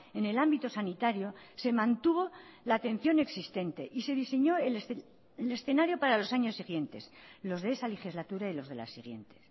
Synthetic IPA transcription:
e̞ne̞lambit̪o̞sanit̪aɾjo̞se̞mãnt̪uβ̞o̞laːt̪e̞n̟θjo̞ne̞ksist̪e̞nt̪e̞̰ʔise̞ðise̞ɲo̞el | ele̞sθe̞naɾjo̞paɾalo̞saɲo̞sːiɣje̞nt̪e̞slo̞zðeesale̞xizlat̪uɾailo̞zð̞e̞̰la̰sːiɣ̞je̞nt̪e̞̥s

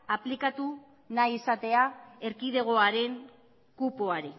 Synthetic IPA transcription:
aplikat̪u | najisat̪e̞ae̞ɾkið̞e̞ɣ̞o̞aɾe̞ŋ | kupo̞aɾi

